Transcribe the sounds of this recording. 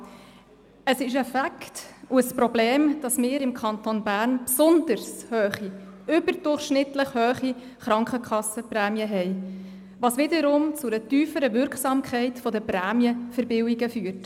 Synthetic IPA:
əsɪʃɛfæktuəspɾɔbleːmd̥ɑsmɪːɾɪmkʰɑnt̪onbæːɾnpsʊnd̪əɾshœːχi | ʏbəɾd̥ʊrχʃnɪtləχhœːχi | χɾɑŋkχəkχɑsəpræːmjəɦɛɪ | ʋɑsʋɪd̪əɾʊmt͡sʊɾətyːfəɾəʋʏɾkχsɑːmkʰχɛɪtfɔdəpɾæːmjəfəɾbɪwiɡəfyːrt

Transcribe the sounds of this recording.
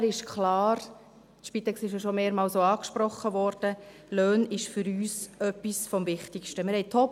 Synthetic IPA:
ɾɪʃkχlɑːɾ | tʃpit̪ɛksɪʃjoʃomeːɾmɑːlsoɑːkʃpɾɔχːəʋɔːɾd̥ə | løːnɪʃfʏɾyːsœpːisfɔmvɪχtɪkʃtəmɪɾhɛɪjt̪ʰɔp

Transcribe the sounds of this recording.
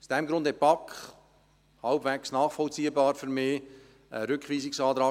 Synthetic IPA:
sd̥ɛmɡɾʊnd̥̪ɛt̚pɑkχ | hɑlbvɛksnɑːχfɔlt͡siːəbɑːɾfyɾmeː | əɾʏkχʋiːsɪksɑːt̪ɾɑː

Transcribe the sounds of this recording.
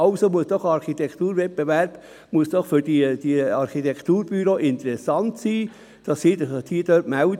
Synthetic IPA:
ɑlsomuəsd̥ɔχɑɾχit̪ɛktuːɾvɛp̚bevæɾb̥ | muəsd̥ɔχfʏɾd̥id̥iɑɾχitɛkʰtuːɾb̥yɾoːʔɪnt̪əɾɛsɑntsiː | d̥ɑsidtʰiːd̥œtmæʊ

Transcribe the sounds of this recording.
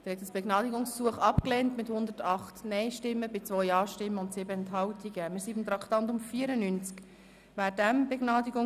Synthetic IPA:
d̥ɛɾhɛtəsb̥eɡnɑːdiɡʊŋssuəχɑpklɛːntmɪthʊndətɑχtnɛɪʃtɪmːəbɪt͡svɔʏjɑːʃtɪmːəʊntsɪbəɛnthɑltʰiɡəmɪːɾsibɪmt̪ɾɑktɑntʊmfiːəɾənynt͡sk | væːɾdæmbeɡ̥nɑːdiɡʊ

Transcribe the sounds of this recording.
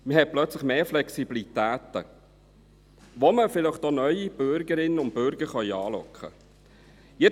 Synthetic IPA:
məhɛt̪̚plœt͡slɪχmeːflɛksibilit̪æːt̪ə̰ | ʋoməfɪləχtonœʏib̥ʏɾɡəɾɪnːəʊnt̚b̥ʏɾɡ̥əɾχœʏɑːlɔ̰kχə̰ | jɛ

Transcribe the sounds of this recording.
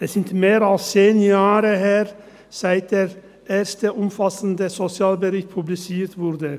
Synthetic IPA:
ɛsɪnt̪meːɾɑlst͡seːnjaːɾəheːʁ | sæɪt̪̚d̪̥eːʁ | ʔeːʁst̪əʔʊmfɑsn̩d̪əsɔt͡sɪaːlbəʁɪçt̪̚pʰʊblɪt͡siːɾt̪vʊɾd̪ə

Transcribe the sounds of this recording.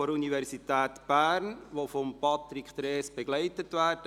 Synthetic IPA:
oɾunivɛɾsitɛːtb̥æːɾnʋofompɑt̪ɾikχt̪ɾeːsb̥eɡ̥lɛɪtətʋæːɾdə

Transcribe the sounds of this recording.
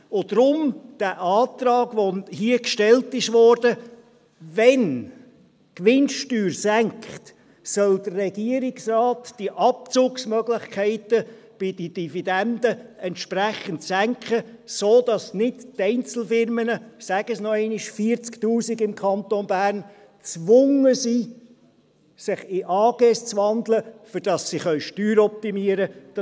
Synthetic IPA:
od̥ɾʊmd̥æʔɑːt̪rɑːɡvohiəkʃtɛltɪʃʋɔɾdə | vɛn | kʋɪnʃtyːrsæŋkχt | sœld̪ərːɛɡiəɾɪksrɑːtd̥iʔɑp̚t͡suːksmœɡlɪχkʰæɪtə | b̥ɪd̥əd̥ifidænd̪əɛntʃpræχəntsæŋkχəsoːd̥ɑsnɪdtɛɪnt͡sl̩fɪɾmənəsæɡəsnɔɛɪnɪʃfiːəɾt͡sktuːsiɡɪmkʰχɑnt̪onbæːɾn | t͡svʊŋəsiː | sɪχɪʔɑːɡ̥ɛst͡svɑnd̪ləfʏɾd̥ɑsːiχœʏʃtyːɾɔp̚t̪imiəɾəd

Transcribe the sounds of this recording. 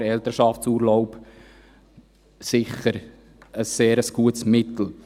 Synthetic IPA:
ɾɛlt̪əɾʃɑftsuːɾlɔʊp | sɪχəɾ | əsːeːɾəsɡ̥uətsmɪtl̩

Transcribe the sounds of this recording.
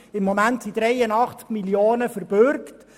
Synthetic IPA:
ɪmːomæntsid̥ɾɛjənɑχt͡skmiljoːnəfəɾbʏɾkt

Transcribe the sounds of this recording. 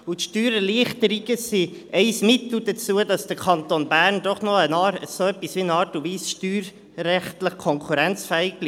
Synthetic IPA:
utʃtyːɾəliəχtəɾiɡəsiʔɛɪsmɪtl̩dət͡suədɑsd̥əɾkʰɑntonbæːrnd̥ɔχnɔənɑsoœpisʋiənɑːɾtuviːsʃtyːɾː | ɛχtləχkʰɔŋkʰuɾɛnt͡sfɛːɪɡ̚b̥liː

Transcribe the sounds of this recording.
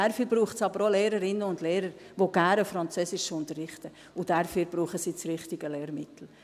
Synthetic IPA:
æɾfyːb̥ɾuːχtsɑbəɾoleːɾəɾɪnːəʊndleːɾəɾ | ʋoɡ̥æːɾəfɾɑnt͡søsɪʃʊntərɪχtə | ʊd̥æɾfyːɾb̥ɾuːχəsiːt͡srɪχtɪɡəleːɾmɪtl̩

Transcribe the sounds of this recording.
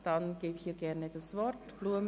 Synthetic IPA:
d̥anɡ̥eːbɪçhiːɡɛʁnedasvɔɾtb̥luəm

